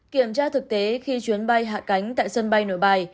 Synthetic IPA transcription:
ki˧˩əmt͡ɕaː˧t̪ʰɨ˨˩k̚t̪e˨˦xi˧t͡ɕwi˨˦ənɓa˧jɦa̰ː˧˨ka˨˦jŋ̟t̪a̰ː˧˨jsə˧nɓa˧jno˧˩˨jɓa˧j

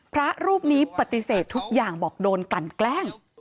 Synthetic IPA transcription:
pʰɾa˦˥ɾuː˥˩p̚niː˦˥pa˨˩t̪i˨˩seː˨˩t̪ʰːu˦˥k̚jaː˨˩ŋbɔː˨˩k̚doː˧nkla˨˩nklɛː˥˩ŋ

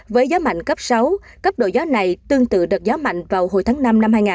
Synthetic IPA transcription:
vəː˨˦jzɔː˨˦ma̰˧˨jŋkə˦˥p̚sa˨˦w | kə˦˥p̚ɗo̰˧˨jzɔ˨˦na˨˩jt̪ɨ˧əŋt̪ɨ̰˧˨ɗɨ˨˩ək̚zɔ˨˦ma̰˧˨jŋ̟vaː˨˩wɦo̰˨˧˩jt̪ʰaː˨˦ŋna˧mna˧mhaː˧jŋaː˨˩

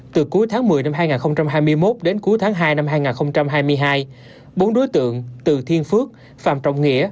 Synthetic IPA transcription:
t̪ɨ˨˩ku˨˦əjt̪ʰaː˨˦ŋmɨ˨˩əjna˧mɦaː˧jŋaː˨˩nxə˧wŋ͡mt͡ɕa˧mɦaː˧jmɨ˧əjmo˦˥t̚ɗe˨˦nku˨˦əjt̪ʰaː˨˦ŋɦaː˧jna˧mɦaː˧jŋaː˨˩nxə˧wŋ͡mt͡ɕa˧mɦaː˧jmɨ˧əjɦaː˧j | ɓo˨˦nɗo˨˦jt̪ɨ̰˧˨əŋt̪ɨ˨˩t̪ʰi˧ənfɨ˦˥ək̚ | faː˧˩mt͡ɕɔ̰˧˨wŋ͡mŋḭ˧˥ə

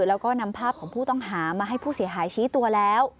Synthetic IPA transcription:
lɛː˦˥wkɔː˥˩na˧mpʰaː˥˩p̚kʰɔː˩˦ŋpʰuː˥˩t̪ɔ˥˩ŋɦaː˩˦maː˧ɦa˥˩jpʰuː˥˩si˨˩˦ɐɦaː˨˩˦jt͡ɕʰiː˦˥t̪u˧ɐlɛː˦˥w

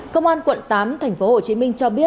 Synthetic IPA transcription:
kə˧wŋ͡mʔaː˧nkwə̰˧˨nt̪aː˨˦mt̪ʰɛ˨˩jŋ̟fo˨˦ho˨˩t͡ɕi˨˦mï˧ŋ̟t͡ɕɔ˧ɓi˦˥ə

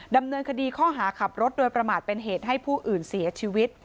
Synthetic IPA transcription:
da˧mnɤː˧nkʰa˧diː˧kʰɔː˥˩ɦaː˩˦kʰa˨˩p̚ɾo˦˥t̪̚doː˧jpɾa˧maː˨˩t̪̚pe˧nɦeː˨˩t̪̚ɦa˥˩jpʰuː˥˩ʔɯː˨˩nsi˩˦ɐt͡ɕʰiː˧wi˦˥t̪̚

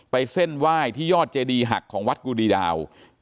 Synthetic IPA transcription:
pa˧jse˥˩nwaː˥˩jt̪ʰiː˥˩jɔː˥˩t̪̚t͡ɕeː˧diː˧ɦa̰˨˩kʰːɔː˩˦ŋwa˦˥t̪̚kuː˧diː˧da̰ː˧w

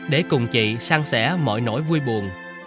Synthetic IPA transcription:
ɗe˧˩kʊ˨˩ŋ͡mt͡ɕḭ˧˨saː˧ŋsɛ̰˧˥mɔ̰˧˨jno̰˧˥jvu˧əjɓu˨˩ən

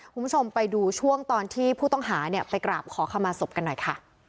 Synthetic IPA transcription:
kʰu˧˦˥t͡ɕʰo˧mpa˧jduː˧t͡ɕʰu˥˩əŋt̪ɔː˧nt̪ʰiː˥˩pʰuː˥˩t̪ɔ˥˩ŋɦaː˩˦ni˥˩əpa˧jkɾaː˨˩p̚kʰɔː˩˦kʰa˧mːaː˧so˨˩p̚ka˧nːɔ˨˩jkʰa˥˩

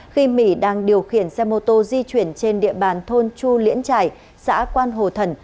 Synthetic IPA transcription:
xi˧mḭ˧˥ɗaː˧ŋɗi˨˩əwxi˨˧˩ənsɛ˧mo˨˩t̚t̪o˧zi˧t͡ɕwi˧˩ənt͡ɕe˧nɗḭ˧˨əɓaː˨˩nt̪ʰo˧nt͡ɕu˧lḭ˧˥ənt͡ɕaː˧˩j | sa̰ː˧˥kwaː˧nɦo˨˩t̪ʰə˧˩n

